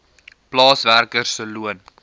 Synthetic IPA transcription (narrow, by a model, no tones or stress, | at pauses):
plɑːsværkərsəluən